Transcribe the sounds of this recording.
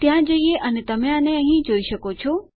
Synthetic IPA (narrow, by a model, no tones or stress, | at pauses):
t̪jãd͡ʒəijeʔənet̪əmẽaneəɦĩd͡ʒoiʃəkot͡ʃʰo